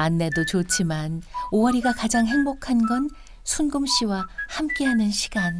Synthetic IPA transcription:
anːe̞dot͡ɕot͡ɕʰimanoʌɾiɡakad͡ʑaŋɦe̞ŋbokʰanɡʌn | sʰunɡɯmɕ͈iwahamk͈e̞ɦanɯnɕʰiɡan

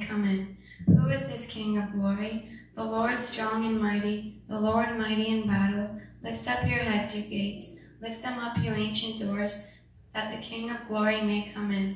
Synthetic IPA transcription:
kʰʌ̃mɪ̃n | huɪzðɪskʰɪ̃ŋʌvɡlɔɹiðəlɔɹd̥stɹ̥ɔ̃ŋɨ̃nmaɪɾiðəlɔɹd̚maɪɾiɨ̃nbæɾl̩ˠlɪftʌpjə˞ɦɛdzɨɡeɪts | lɪft̪̚ðɨ̃mʌpʰjə˞ẽɪ̃nʃɨ̃nd̥ɔɹz | ðɨt̪̚ðɨkʰɪ̃ŋʌvɡlɔɹimeɪkʰʌ̃mɪ̃n

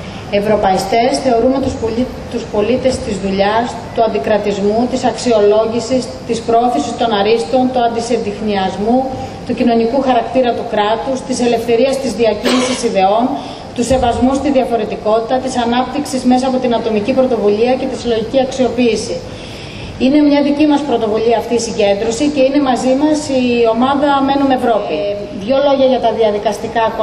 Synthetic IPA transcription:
e̞vɾo̞pɐist̪e̞sθe̞o̞ɾunot̪ | t̪uspo̞lit̪e̞st̪izðuʎɐs | t̪uɐnd̪ikɾɐt̪izmut̪isɐksio̞lo̞ʝisist̪ispɾooθisist̪o̞nɐɾist̪o̞nt̪uɐnd̪isend̪ixniɐzmu | t̪ucino̞nikuxɐɾɐkt̪iɾɐt̪ukɾɐt̪ust̪ise̞le̞fθe̞ɾiɐst̪izðiɐcinisisiðe̞o̞n | t̪use̞vɐzmust̪iðiɐfo̞ɾe̞t̪iko̞t̪it̪ɐt̪isɐnɐp̚t̪iksizme̞sɐːpo̞t̪inɐt̪o̞micipɾo̞t̪o̞vuʎiɐce̞t̪isilo̞ʝiciɐksio̞piːsi | ine̞mɲɐðicimɐspɾo̞t̪o̞vuʎiɐːft̪iːsiɲɟe̞nd̪ɾo̞sice̞ine̞mɐzimɐsio̞mɐðɐme̞nune̞vɾo̞pi | ðʝo̞lo̞ʝɐʝɐt̪ɐðiɐðikɐst̪ikɐp

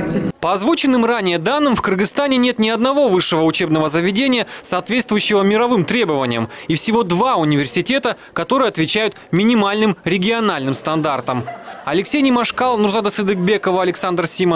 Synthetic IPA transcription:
pəɐzvut͡ɕɪnːɨmranʲɪjəd̪anːɨmfkɨrɡɨst̪anʲɪnʲe̞t̪nʲɪɐd̪nɐvo̞vɨʂːɨvəʊt͡ɕe̞bnəvəzəvʲɪdʲenʲɪjəsɐːt̪vʲet̪st̪vʊjʉɕːɪvəmʲɪɾɐvɨmt̪ɾʲe̞bəvənʲɪjəmifsʲɪvo̞d̪vaʊnʲɪvʲɪrsʲɪtʲe̞t̪ə | kɐt̪o̞ɾɨjəɐt̪vʲɪt͡ɕæjʊt̪mʲɪnʲɪmalʲnɨmɾʲɪɡʲɪɐnalʲnɨmst̪ɐnd̪art̪əmɐlʲɪksʲejnʲɪmɐʂkalˠnurzad̪əsɨd̪ɨɡbʲe̞kəvəɐlʲɪksand̪rsʲimə

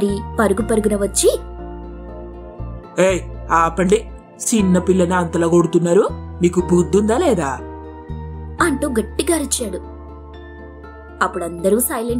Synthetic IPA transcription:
ɾipɐɾuɡupɐɾuɡunɐʋɐt͡ʃːi | eːaːpɐɳɖi | t͡ʃinːɐpilːɐniɐnt̪ɐlɐːɡoɽut̪unːaːɾumiːkubuːd̪ːund̪aːlɛːd̪aː | ɐɳʈuːɡɐʈːiɡaːɾit͡ʃːaːɽu | ɐpːuɽɐnd̪ɐɾuːsɐjlɐɳ

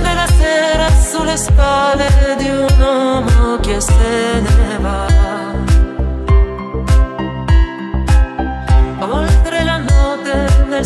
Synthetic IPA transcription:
melasɛːɾasulespaled̪iunɔmokeseneva | olt̪ɾelanɔt̪ːene

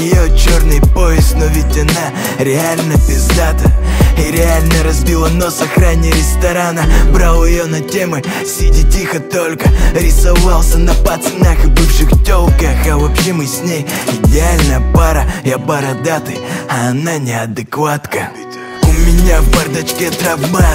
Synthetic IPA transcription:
jɪjot͡ɕornɨjpoɪstnovʲɪtʲɐna | ɾʲɪalʲnəpʲɪzd̪at̪əiɾʲɪalʲnəɾɐzʲbʲilˠənosɐxɾanʲɪjəɾʲɪst̪ɐɾanəbɾalˠɪjonɐtʲemɨ | sʲidʲɪtʲixət̪olʲkəɾʲɪsɐvalˠsʲənɐpat̪snaxɨbɨfʂɨxtʲolˠkəxɐvɐpɕemɨsʲnʲejɪdʲɪalʲnəjəpaɾəjapaɾɐd̪at̪ɨɐɐnanʲɪɐd̪ɨkvat̪kə | ʊmʲɪnʲavbɐrd̪ɐt͡ɕkʲet̪ɾɐba

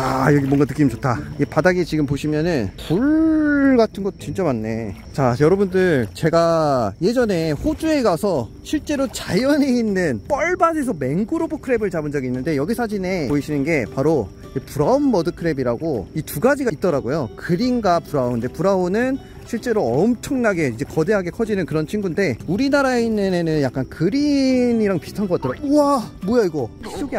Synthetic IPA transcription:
ajʌɡimwʌŋɡanɯk͈imid͡ʑot͈ʰaiɡepadaɡet͡ɕiɡɯmpoɕʰimjʌnɯnpuɭɡatʰɯnɡʌt̚t͡ɕint͡ɕ͈amanːe̞ | t͡ɕajʌɾʌbundɯɭt͡ɕe̞ɡaje̞d͡ʑʌne̞ɸod͡ʑue̞ɡasʰʌ | ɕʰiɭt͡ɕ͈e̞ɾot͡ɕajʌnɦe̞inːɯnp͈ʌɭbad͡ʑe̞sʰʌme̞ŋɡɯɾobokʰɯɾe̞bɯɭt͡ɕabɯnd͡ʑʌɡiːnːɯnde̞jʌɡisʰad͡ʑine̞oiɕʰinɯnɡe̞paɾo | epuɾaonmʌdɯkʰɯɾe̞biɾaɡoituɡad͡ʑiɡait̚t͈ʌɾaɡojokɯɾinɡapuɾaoɯnde̞puɾaonɯn | ɕʰiɭt͡ɕ͈e̞ɾoʌmt͡ɕʰʌŋnaɡe̞id͡ʑe̞kʌde̞ɦaɡe̞kʰʌd͡ʑinɯnkɯɾʌnt͡ɕʰiŋɡunde̞uɾinaɾaeinːɯnenɯnjak͈̚ankɯɾiniɾaŋpistʰanɡʌk͈at͈ʌɾaɡouamojaiɡʌis͈oɡ

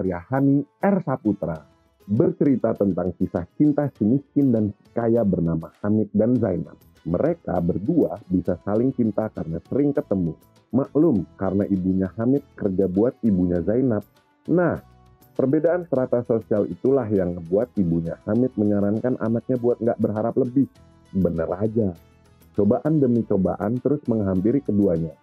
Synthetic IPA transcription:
rjahaniɛrsaput̪ɾa̰ | bərt͡ʃəɾit̪at̪ənt̪aŋkisaht͡ʃint̪asimiskindansi̥kajabərnamahamɪt̪̚danzajna̰p̚ | məɾeka̰bərduabisasalɪŋt͡ʃint̪akarənasəɾɪŋkət̪əmu | maʔlʊmkaɾənaʔibuɲahamɪt̪̚kərd͡ʒabuat̪̚ibuɲazajnap̚ | nah | pərbedaʔansəɾat̪asosialḭt̪ulaɦjaŋbuat̪̚ibuɲahamɪt̪̚məɲaɾankanʔa̰nak̚ɲabuat̪̚ŋɡaʔbərɦaɾapləbɪh | bənəɾad͡ʒa | t͡ʃobaʔandəmit͡ʃoba̰ʔant̪əɾʊsməŋɦampiɾikəduaɲa

